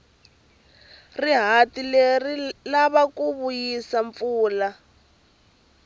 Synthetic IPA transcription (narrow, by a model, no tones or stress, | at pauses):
riɦatilerilaβakuβujisaɱfuːla